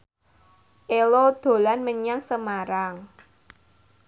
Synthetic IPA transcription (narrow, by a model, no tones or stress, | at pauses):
ʔelod̪̥o̤lanməɲaŋsəmaɾaŋ